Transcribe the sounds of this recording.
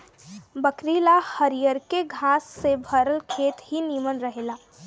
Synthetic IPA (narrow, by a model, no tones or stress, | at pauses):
bəkɾiːlahəɾijəɾkeɡʱaːsːebʱəɾəlkʰeːt̪ɦiniːmənɾəɦeːlaː